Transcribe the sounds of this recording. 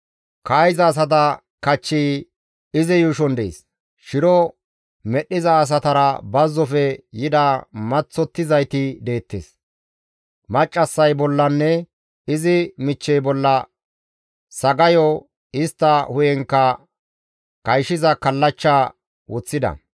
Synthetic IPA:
kɐːjzɐːs̬ɐt̪̬ɐ | kɐt͡ʃːiː | ɪzɪjuʃɔnd̪ḛs | ʃɪɾɔ | mɛɗːɪzɐːs̬ɐt̪ɐɾɐbɐzːɔfɛjɪd̪ɐmɐt͡sːɔt̪ːɪzɐjt̪ɪd̪e̞ːt̪ːḛːs | mɐt͡ʃʼːɐsːɐjbɔlːɐnːɛ | ɪzɪmɪt͡ʃːɛjbɔlːɐ | sɐɡɐjɔ | ɪst̪ːɐhʊjɛŋkːɐ | kɐjʃɪzɐkɐlːɐt͡ʃːa | wɔt͡sːɪd̪ɐ̰

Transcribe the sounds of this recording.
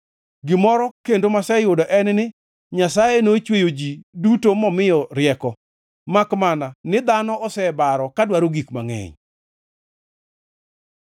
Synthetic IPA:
ɡɪmɔɾɔkendomasɛjʊdɔʔɛnnɪ | ɲasajenot͡ʃwejod͡ʒidutomɔmɪjɔɾjɛkɔ | makmananɪd̪anɔɔsɛbaɾɔkadwaɾoɡikma̰ŋɛ̰ɲ

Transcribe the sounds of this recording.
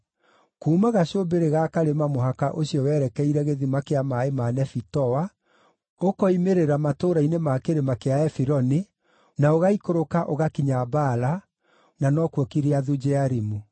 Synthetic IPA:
kuːmaɣaɕobeɾeɣakaɾemamoɦakaʔoɕiɔwɛɾɛkɛiɾɛɣeðimakeamaemanɛfitɔwa | okɔimeɾeɾamatoːɾainemakeɾemakeaɛfiɾɔne | naoɣaikoɾokaʔoɣakiɲabaːla | nanɔkwɔkiɾeaðud͡ʑɛaɾimu

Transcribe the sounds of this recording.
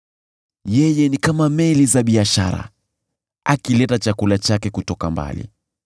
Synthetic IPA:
jɛjɛnikamamɛlizaɓiaʃa̰ɾa̰ | akilɛtat͡ʃakulat͡ʃakɛkutɔkamba̰lḭ

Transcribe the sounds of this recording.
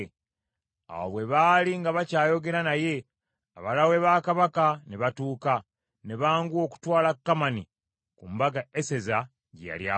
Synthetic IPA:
a̰wo̰βwe̞βaːliŋɡaβacaːjo̞ɡe̞ɾanaje̞ | aβalawe̞βakaβakaneβatuːka | ne̞βaːŋɡwo̞ːku̥twaːlakːamani | kumbaɡaese̞za | ɟeja̰lja

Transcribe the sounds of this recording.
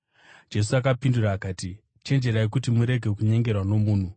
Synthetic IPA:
d͡ʒe̞s̬uakapinduraːkaːti | t͡ʃe̞nd͡ʒe̞ɾaekutimuɾe̞ɡʱe̞kuɲe̞ŋɡe̞rwano̞muːn̤u

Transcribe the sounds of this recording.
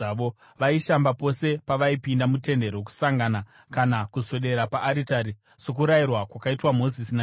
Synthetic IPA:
ʋo | ʋaiʃambapo̞se̞paʋaipindamute̞nde̞ɾok̬u̥saŋɡana | kanakuso̞ɗe̞ɾapaʔːɾitaɾi | so̞k̬uɾairwakwakaitwamo̞zisina

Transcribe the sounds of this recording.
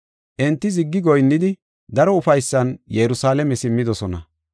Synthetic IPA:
ʔɛnt̪ːɪzɪɡːɪɡɔjnːɪd̪ɪ | d̪ɐɾɔʊfɐjsːɐnjɛɾʊsaːlɛmɛsɪmːɪd̪ɔsɔnɐ̰

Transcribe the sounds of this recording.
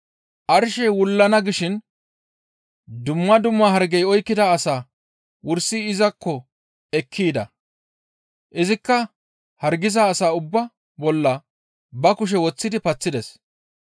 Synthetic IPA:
ʔɐɾʃɛjwʊlːɐnɐɡɪʃɪn | d̪ʊmːɐd̪ʊmːɐɦɐɾɡɛjɔjkːɪd̪ɐːsaː | wʊɾsiɪzɐkːɔ | ɛkʰːiːd̪ɐ̰ | ʔɪzɪkːɐ | hɐɾɡɪzaːsaːʊbːɐ | bɔlːɐ | bɐkʊʃ̬ɛwɔt͡sːɪd̪ɪpɐt͡sːɪd̪ɛs

